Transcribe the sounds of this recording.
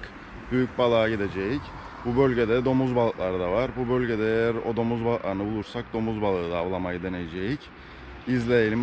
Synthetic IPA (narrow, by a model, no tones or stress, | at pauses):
k | byjyc̚balˠaːɟid̪ed͡ʒejic | bubølʲɟe̞d̪ɛd̪o̞muzbalˠklˠaɾd̪avaɾbubølʲɟe̞d̪ɛejæɾo̞̰d̪o̞muzbalˠklˠaɾɯnɯbulˠuɾsak̚d̪o̞muzbalˠɯːd̪aːvlˠamajɯd̪e̞nejed͡ʒejic | izlʲejelʲim